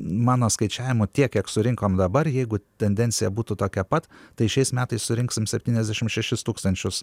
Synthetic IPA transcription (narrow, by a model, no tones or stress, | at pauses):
mɑːnoːskɐɪt͡ʃʲæːʋʲɪmʊt̪ʲiɛkjʲiɛksʊɾʲɪŋkoːmd̪ɐbɐrjɛɪɡʊt̪ʲɛnʲd̪ʲɛnʲsʲɪjɛbuːt̪ʊt̪oːkʲɛpɐt̪t̪ɐɪʃʲɛɪsmʲæːt̪ɐɪssʊɾʲɪŋksʲɪmsʲɛpʲt̪ʲiːnʲɛzʲd̪ʲæʃʲɪmʃʲɛʃʲɪst̪uːkst̪ɐnʲt͡ʃʲʊs